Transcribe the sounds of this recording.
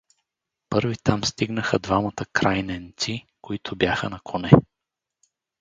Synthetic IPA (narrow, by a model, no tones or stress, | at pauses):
pɤɾvit̪amst̪iɡnəxəd̪vamət̪əkɾajnɛnt̪si | koit̪ʰʊbjaxənɐkʰonɛ